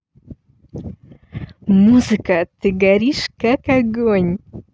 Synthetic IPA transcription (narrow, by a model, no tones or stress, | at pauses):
muzɨkat̪ɨɡæɾiʃkakaɡoɲʲ